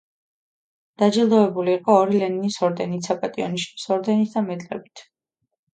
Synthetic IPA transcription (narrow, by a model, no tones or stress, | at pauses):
d̪̥ad͡ʒilˠd̪ɔɛbuliːqʼɔːɾilɛninisɔɾd̪ɛnit̪sʰapʼat̪ʼiɔniʃsɔɾd̪ɛnit̪ʰd̪amɛt̪ʼlɛ̰bit̪ʰ